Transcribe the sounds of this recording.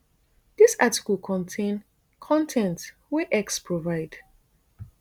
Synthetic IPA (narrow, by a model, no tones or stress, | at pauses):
disati̥kəlˠkʰɔ̃ntʰẽn | kʰɔ̃ntʰɛ̃nt | wiʔɛkspʰɹovaɪd̥